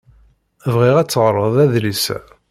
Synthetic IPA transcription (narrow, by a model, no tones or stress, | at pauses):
vʁiʁæt͡sːəʁɾˤəðˤæðlisæ̰